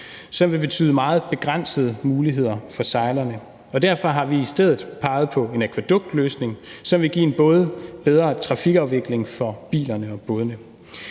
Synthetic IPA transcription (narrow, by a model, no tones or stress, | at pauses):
sɒ̽mʋe̝b̥e̝t͡sʰy̰ːð̞̩ˠmɑ̈ːð̞̩ˠb̥e̝ɡ̥ʁan̰səð̞̩ˠəmuːliɦe̝ð̞̰ˠɐfɒ̽sɑ̈ɪlɐnə | ɒ̽d̥æɐ̰fɒ̽ɦɑ̈ʋiːsd̥eð̞̰ˠð̩ˠpʰɑ̈ɪð̞̩ˠpʰɒ̽e̝nækʰʋæd̥ɔ̽ɡ̥̚d̥løːsne̝ŋsɒ̽mʋe̝ɡḭːe̝nb̥ɔ̽ːðˠəb̥eð̞ˠʁɐːt͡sʰʁɑ̈fiɡ̥ɑ̈ʊʋe̝ɡ̥le̝ŋfɒ̽b̥ḭːlɐnəɒ̽b̥ɔ̽ːðənə